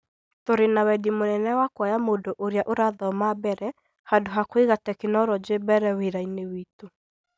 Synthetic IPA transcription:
toɾenawɛdimonɛnɛwakwajamondoʔoɾjaʔoɾaðɔmabɛɾɛ | hadoɦakweɣatɛkenɔɾɔd͡ʒebɛɾɛweɾainewito

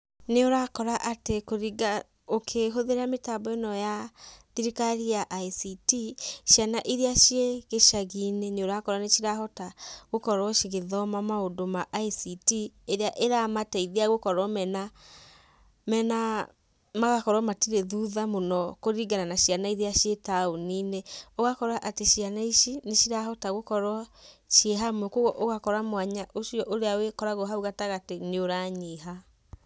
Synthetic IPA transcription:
neoɾakɔɾaʔatekoɾiɡa | okʰeɦoðeɾametabɔenɔjaðiɾikaɾiaʔaisitiʃjanaʔiɾeaʃjeɣeʃaɣineneoɾakɔɾanet͡ʃiɾaɦɔtaɣ̥okɔɾɔʃeɣeðɔmamaodomaʔaisitieɾeaʔeɾamatɛiðeaɣokɔɾɔmɛna | mɛna | maɣakɔɾɔmatiɾeðuðamonɔkoɾiɡananaʃianaiɾeaʃjetaonineɔɣakɔɾaʔateʃianaiʃineʃiɾaɦɔtaɣokɔɾɔʃjeɦamwɛkoɣɔʔoɣakɔɾamwaɲaʔoʃiɔʔoɾeawekɔɾaɣoɦauɣataɣateneoɾaɲeɦa

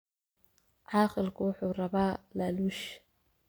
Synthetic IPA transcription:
ʕɑːqɪlkʰʊwʊħuːrɐβaːlaluːʃ

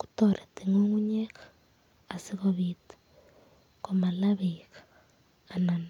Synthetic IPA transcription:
ku̥toɾetiŋoŋuɲekḁː | siɣoβite̥ | komalaβikḁː | nan

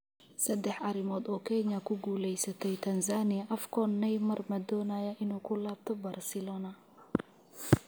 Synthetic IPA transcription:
sɐd̪ɛħʔɐɾɪmɔːd̪ɔːkʰɛnɐkʰʊɡuːlɛjsɐt̪ʰɛjt̪ʰɐnsaːnɪjɐʔɐfkʰɔnːɛjmɐrmɐd̪ɔːnajɐʔɪnuːkʰʊlaːb̚t̪ʰɔbɐrsɪlɔːnɐ

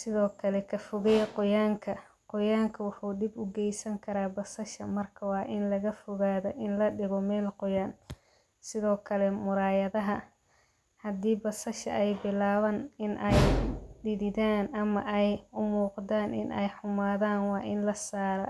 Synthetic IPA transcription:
sɪðɔːkʰɐlɛkʰɐfʊɣɛjqʊjaːŋkʰɐ | qʊjaːŋkʰɐwʊħuːd̪ɪbʊɡɛjsɐŋkʰɐɾaːbɐsɐʃɐmɐrkʰɐwɑːʔɪnlɐɣɐfʊɣaːðɔʔɪnlɐɖɪɣɔmɛːlqʊjaːn | sɪðɔːkʰɐlɛmʊɾaːjɐðɐɦɐ | hɐd̪iːbɐsɐʃɐ̰ʔɛjbɪlaːβɐnɪnʔɛjɖɪðɪðaːnɐmɐʔɛjʊmuːqd̪aːnʔɪ̰nʔɛ̰jħʊmaːðaːnwɑːʔɪnlɐsaːɾɐ̰

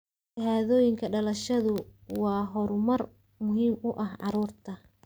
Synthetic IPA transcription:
ɪɦaːðɔːjɪŋkʰɐɖɐlɐʃɐðʊwɑːɦɔɾʊmɐr | mʊɦiːmʊʔɐhʕɑɾuːrt̪ʰɐ

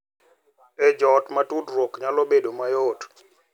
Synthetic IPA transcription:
ɛd͡ʒɔtmatudɾɔkɲalɔbedomajɔt

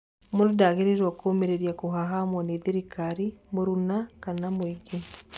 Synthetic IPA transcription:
monodaɣeɾeɾwakʰomeɾeɾijakoɦaɦamwaneðeɾikaɾimoɾunakanamoiɡe

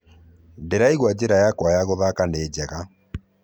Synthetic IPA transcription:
ndeɾaiɣwad͡ʑeɾajakwajaɣoðakaneːd͡ʑɛɣa

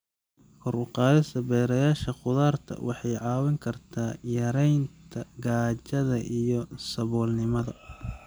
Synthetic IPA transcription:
kʰɔɾʊqɑːðɐsɐbɛːɾɐjaːʃɐqʊðaːrt̪ʰɐ̰wʔɑħɑjʕɑːwɐŋkʰɐrt̪ʰaːjɐɾɛjnt̪ʰɐɡaːt͡ʃɐðɐʔijɔsɐβɔːlnɪmɐðɐ

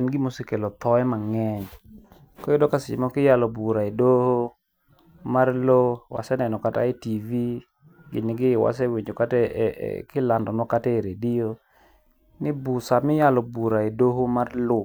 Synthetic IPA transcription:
ɛnɡɪmosekelɔt̪ɔɛmaŋɛɲ | kɔɪdɔkasɪ̰mɔkɪjalɔbuɾaedoho | marlowa̰sɛnɛnɔkata̰etivi | ɡɪ̰nɪɡɪwa̰s̬ɛweɲd͡ʒokatɛ̰kɪlandɔnɔkatɛɾedio | nɪbusamɪjalɔbuɾaedoɦomarlo

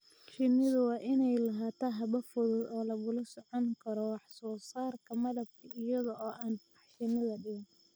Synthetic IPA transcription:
t͡ʃɪnɪðʊwɑːʔɪnɛjlɐɦaːt̪ʰaɦɐβɐfʊðʊd̪ɔːlɐβʊlɐsɔʕɔŋkʰɐɾɔwɑħsɔːsaːrkʰɐmɐðɐb̚kʰɐɪjɐðɔɔːʔaːnbɑħʃɪnɐðɐɖɪɣɪn

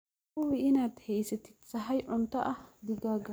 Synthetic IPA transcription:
ʊwɪʔɪnat̪hɛjsɛt̪ɪ̥tt͡sːɐɦɐjʔʊnt̪ɐʔɐd̪ɪɡaːɡɐ

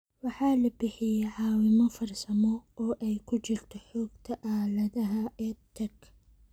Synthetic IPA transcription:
wɑħaːlɐbɪħɪjɛʕɑːwɪmɔfɐrsɐmɔʔɔːʔɛjkʰʊt͡ʃɪlt̪ʰɔħɔːɡ̥t̪ʰɐʔaːlɐðɐɦɐʔɛːt̪ʰɐɡ

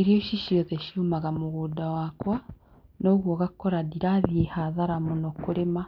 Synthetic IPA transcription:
iɾioʃiʃiɔtɛʃumaɣamoɣuːdawaːkwa | noɣwɔɣakɔɾadiɾaðiehaðaɾamonokoɾema

